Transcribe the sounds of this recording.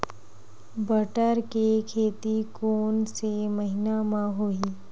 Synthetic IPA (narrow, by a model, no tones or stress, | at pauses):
bəʈəɾkekʰeːt̪ikoːnseməɦɪnamãɦoːiː